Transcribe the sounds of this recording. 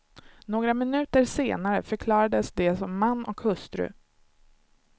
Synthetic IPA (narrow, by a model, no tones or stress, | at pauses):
noːɡɾamɪnʉ̟ːt̪əɾseːnaɾəfœɾkʰlɑːɾad̪əsd̪ɛsɔmːanːɔkhɵst̪ɾɵ̰